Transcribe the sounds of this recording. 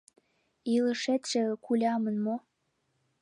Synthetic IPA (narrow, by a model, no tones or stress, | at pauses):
ilə̆ʃet̪ʒ̥ĕkulʲɑmənmo